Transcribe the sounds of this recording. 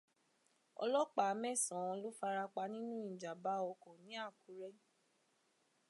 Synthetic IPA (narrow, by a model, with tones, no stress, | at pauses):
ɔ̰˧lɔ˦k͡pa˨˧˦mɛ˦˨sã˨ɔ̃˧lo˦fa˧ɾa˧k͡pa˧nĩ˦nũ˦ĩ˨d͡ʒa˨ba˨˦ɔ˧kɔ̃˨nĩ˨˦a˦˨ku˨˦ɾɛ˦